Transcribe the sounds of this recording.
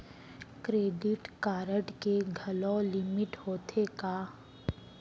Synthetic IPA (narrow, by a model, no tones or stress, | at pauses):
kɾeːɖɪʈkaːɾəʈkeɡʱɐlɔ̃lɪmɪʈɦoːt̪ʰekaː